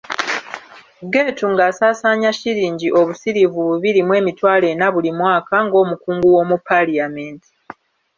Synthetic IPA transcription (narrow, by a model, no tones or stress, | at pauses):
ɡe̞ːtuŋɡaːsaːsaːɲaciɾiːɲɟiʔo̞βusiɾivuβuβiɾimwe̞ːmitwaːle̞naβulimwaːkaŋɡo̞ːmukuːŋɡuwo̞mupaliameːnti̥